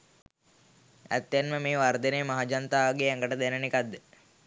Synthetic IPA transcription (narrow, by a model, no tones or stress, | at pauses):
æ̰t̪ːenməmiːʋaɾd̪eneːmaɦad͡ʒɐnt̪aːʋɐɡeːæŋɡəʈəd̪enɐnikad̪ːe